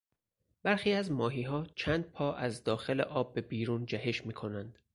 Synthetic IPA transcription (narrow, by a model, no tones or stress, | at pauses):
b̥æɾxiːæzmɒːɦiːɦɒːt͡ʃʰæːnd̪̚pʰɒːʔæzd̪ɒːxe̞le̞̰ʔɒːbːe̞biːɾuːnd͡ʒæɦe̞ʃmiːkʰo̞nænd̪̥